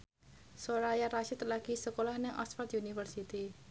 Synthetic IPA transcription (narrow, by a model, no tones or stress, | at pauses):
soɾajaraʃɪt̪laɡ̥isəkolahnɪŋʔɔ̰sfart̪junifərsit̪i